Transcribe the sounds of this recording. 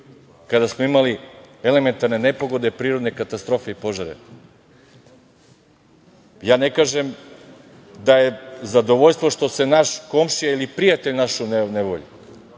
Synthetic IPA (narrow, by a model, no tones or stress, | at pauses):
kad̪asmoimalie̞le̞me̞nt̪aɾnene̞poɡo̞d̪e̞pɾiːɾod̪ne̞kat̪ast̪ɾo̞fe̞ipo̞ʒaɾḛ | jaːne̞kaːʒem | d̪aje̞zad̪o̞ʋoʎʲst̪vʋo̞ʃt̪vo̞se̞naʃko̞mʃijailipɾijat̪eʎnaʃunneʋo̰ʎi